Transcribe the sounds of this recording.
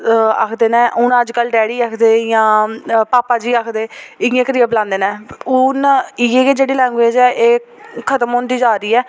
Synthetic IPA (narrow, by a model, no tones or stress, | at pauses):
a̰kʰd̪eːnɛ̃ːʔʊnəd͡ʒkəlɖɛːɽiːaːkʰd̪eːjãːpaːpaːd͡ʒiːaːkʰd̪eːɪẽːkəɾiːəplãːnd̪eːnɛ̃ːʊnɪjeːd͡ʒeːɽiːlɛ̃ːŋɡʋeːd͡ʒɛːʔeː | kʰət̪əmɦõːnd̪iːd͡ʒaːɾiːɛː